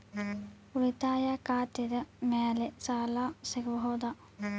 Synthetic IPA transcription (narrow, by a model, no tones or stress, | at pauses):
ulit̪aːjaːkaːt̪jed̪əmɛːlesaːlaːsekʋɦoːd̪a